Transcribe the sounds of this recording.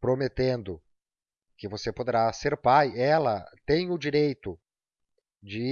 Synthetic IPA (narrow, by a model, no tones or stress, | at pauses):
pɾomet̪ẽnd̪ʊ | kɪvosepod̪eɾaseɾpajɛlɐt̪ẽj̃ʊd͡ʒiɾejt̪ʊ | d͡ʒɪ